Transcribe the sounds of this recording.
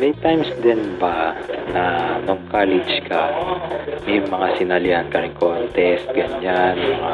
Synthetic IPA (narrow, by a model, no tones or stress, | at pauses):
mɛjt̪ajmsd̪ɛnbɐnɐnoŋkalɪd͡ʒkɐ | mɛjmɐŋasɪnalɪankɐɾɪkont̪ɛst̪̚ɡɐɲanmɐŋa